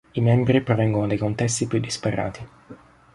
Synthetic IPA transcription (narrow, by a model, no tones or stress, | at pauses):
imɛmbɾipɾɔvɛŋɡonod̪ejkont̪ɛst̪ipjud̪ːispɛrːa̰ːt̪i